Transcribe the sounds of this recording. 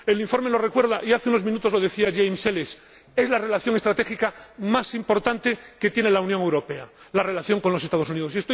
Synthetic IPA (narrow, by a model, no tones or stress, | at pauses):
e̞liɱfo̞ɾme̞lo̞rekwe̞ɾðaʔiaθeunomĩnut̪o̞zlo̞ð̞e̞θiaʝejmseles | e̞zlare̞laθjo̞ŋest̪ɾat̪e̞xikamasimpo̞ɾt̪ant̪e̞ke̞t̪jenelaunjoŋe̞wɾo̞pe̞a | lare̞laθjo̞ŋkonlo̞se̞st̪að̞o̞s̬uniðo̞siest̪o